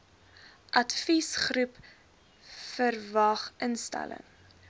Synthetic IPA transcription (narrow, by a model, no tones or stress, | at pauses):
ʔɐtfisχrʉp | fərvɐχʔənstæ̰lə̰ŋ